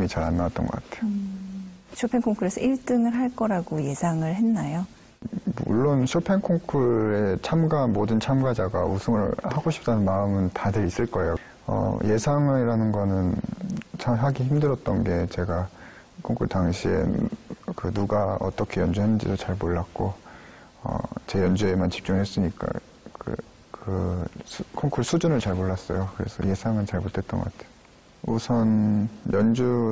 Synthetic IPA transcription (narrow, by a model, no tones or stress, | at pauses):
mit͡ɕaɾanːawat͈̚ʌnɡʌk͈atʰejo | ɕʰopʰe̞ŋkʰoŋkʰɯɾesʰʌʔiɭt͈ɯŋɯɭɦaɭk͈ʌɾaɡoje̞sʰaŋɯɭɦenːajo | mṵɭːonɕʰopʰe̞ŋkʰoŋkʰɯɾe̞t͡ɕʰamɡamodɯnt͡ɕʰamɡad͡ʑaɡaṵsʰɯŋɯɭhaɡoɕʰi̥p̚t͈anɯnmaɯmɯntadɯɾis͈ɯɭk͈ʌe̞jo | ʌ̰je̞sʰaŋiɾanɯnɡʌnɯnt͡ɕʰaɦaɡiçimdɯɾʌt̚t͈ʌnɡe̞t͡ɕe̞ɡa | kʰoŋkʰuɭtaŋɕʰie̞̰kɯnuɡaʌ̰t͈ʌkʰe̞jʌnd͡ʑuɦanɯnd͡ʑḭdot͡ɕaɭmoɭːak̚k͈o | ʌ̰t͡ɕe̞jʌnd͡ʑuemant͡ɕi̥p̚t͡ɕ͈uŋɦes͈ɯɲik͈a̰ | kɯ̰ | kɯ | kʰoŋkʰuɭsʰud͡ʑunɯɭt͡ɕaɭmoɭːas͈ʌ̰jokɯɾe̞̰sʰʌ̰je̞sʰaŋɯnt͡ɕaɭmot͈ʰe̞t͈̚ʌnɡʌkatʰeo | usʰʌnjʌnd͡ʑu